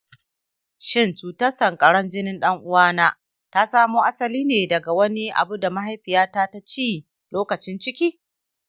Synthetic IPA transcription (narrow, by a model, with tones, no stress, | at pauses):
ʃɪ˦˨nt͡ʃuː˨tɐ˦sɐ˨ŋkʼɐ˨ɽɐ˦nd͡ʒɪ˦nɪ˦nɗɐ˦ŋʔʊ˦waː˦naː˦ | ta˦saː˦muː˦ʔa˦sɐ˨liː˦neː˨dɐ˨ɡa˨wɐ˦ni˦ʔa̰˨bu˦da˨ma˦ɦa˦jɸɪ˨jaː˦taː˦ta˦t͡ʃiː˦ | loː˦kɐ˨t͡ʃɪ˦nt͡ʃɪ˦kʲiː˦